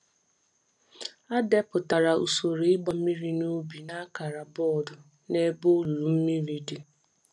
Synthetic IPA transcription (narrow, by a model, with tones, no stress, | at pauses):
a˦de˦pʊ˨ta˨ɾa˨ṵ˨so˨ɾi˨ɪ˦ɡ͡ba˨m̩˦mi˦ɾi˦nu˦bi˨na˦ka˨ɾa˨bɔ˦˨dʊ˨ | ne˦bo˦˨ɾu˨m̩˦mi˦ɾi˦di˨